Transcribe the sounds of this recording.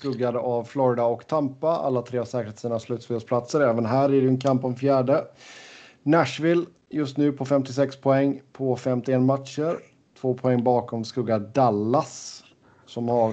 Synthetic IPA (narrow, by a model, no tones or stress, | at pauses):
skɵɡːad̪əʔavflɔɾɪd̪aɔkt̪ʰampːaa̰lːat̪ʰɾeːasɛːkəɾhet̪siːnaslʉ̟t̪sfəspʰlat̪səɾɛːvənɦæːɾɪɖɛɛnkʰampɔmfjæːɖə | næʂvɪl | jɵst̪nʉ̟ːpʰɔfɛmt̪ɪsɛkspʰɔɛŋːpʰɔfɛmt̪ɪeːnːmat̪ʂəɾ | t̪ʰvoːpʰɔɛŋːbɑːkʰɔmskɵɡːad̪alːas | sɔmhaɾ